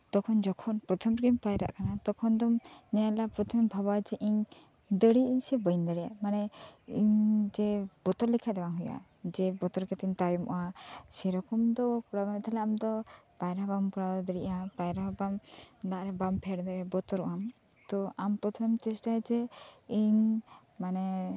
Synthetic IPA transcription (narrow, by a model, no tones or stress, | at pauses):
t̪ɔkʰɔnd͡ʒɔkʰɔnpɾɔt̪ʰɔmɾɡimpajɾa̰ʔkanat̪ɔkʰɔnd̪ɔmɲɛalapɾɔt̪ʰɔmɛbʱabad͡ʒɛʔiɲ | d̪əɽiiɲsɛbənd̪əɽija̰manɛiɲd͡ʒɛbɔt̪ɔɾlikʰad̪ɛbaŋɦuja̰ | d͡ʒɛbɔt̪ɔɾkɛt̪iɲt̪ajɔmɔ̰ʔasɛɾɔkɔmd̪ɔkuɽabat̪ʰɛlɛamd̪ɔ | bajɾabamkɔɽad̪ɔd̪əɽiʔabajɾabamd̪aʔɾɛbampʰɛɽd̪ɛɾɛbɔt̪ɔɾɔ̰ʔam | t̪ɔampɾɔt̪ʰɔmɛmt͡ʃɛsʈaɛd͡ʒɛiɲ | manɛ